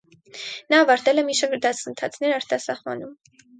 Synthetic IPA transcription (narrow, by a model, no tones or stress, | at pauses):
nɑːvɑɾt̪ɛlɛmiʃəɡɾd̪ɑsʰənt̪ʰɑt͡sʰnɛɾɑɾt̪ɑsɑχvɑ̰num